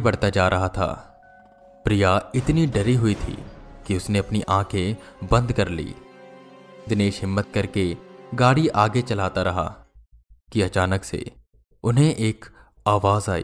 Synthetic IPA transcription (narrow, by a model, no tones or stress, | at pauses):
bɐɽ̤t̪ad͡ʒaːɾʔɐɦat̪ʰa̰ː | pɾijaɪt̪niɖɐɾiɦʊit̪ʰḭːkiʊsneɐpniʔãːkʰẽbɐ̃nd̪kɐɾlḭː | d̪ɪneːʃɦɪmːət̪̚kɐɾkeɡaːɽiʔaːɡet͡ʃɐlaːt̪aɾɐɦa̰ | kiɐt͡ʃaːnəksḛ | ʊnɦẽʔeːk | aːʋaːzaːḭː